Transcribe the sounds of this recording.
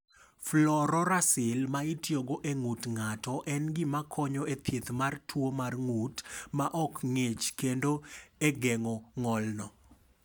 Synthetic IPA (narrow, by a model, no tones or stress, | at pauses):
flɔɾɔɾasɪlmaitjoɡoʔeŋutŋatɔʔɛnɡɪmakʰɔɲɔet̪ʰjet̪martʰwomarŋutmaʔɔkŋet͡ʃkendoeɡeŋɔŋɔlnɔ